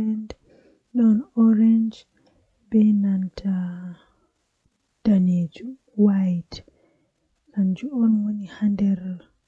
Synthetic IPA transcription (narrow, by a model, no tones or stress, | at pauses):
ɛnd | ɗɔnɔɾɛnd͡ʒ | bɛnantʰa | d̥aned͡ʒu | wajt | kand͡ʒuɔnwonihandɛɾ